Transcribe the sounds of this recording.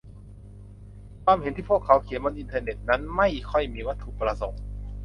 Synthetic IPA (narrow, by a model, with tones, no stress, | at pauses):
kʰwaː˧mhe˨˦nt̪ʰiː˥˩u˥˩əkʰːa˩˦˥wkʰi˩˦nbo˧nʔi˧nt̪ʰɤː˧ne˨˩t̪̚na˦˥nma˥˩jkʰɔ˥˩jmiː˧wa˦˥t̪ʰːu˨˧˩pɾa˧so˨˩˦ŋ